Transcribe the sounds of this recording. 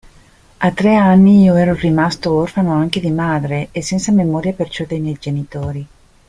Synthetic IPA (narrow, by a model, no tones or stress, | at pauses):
at̪ːɾeanːiiːoɛːɾorimast̪oorfanoaŋk̟ed̪imaːd̪ɾeesːɛnt̪samemɔːɾjapert͡ʃɔd̪ejmjɛjd͡ʒenit̪oːɾi